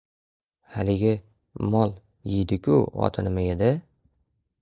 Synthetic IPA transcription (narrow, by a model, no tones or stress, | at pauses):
halɪɡʲɪ | mɒlˠ | jɪjd̪ɪkʲʰʊ̰ɒ̰t̪ʰɪnɪmajed̪ɪ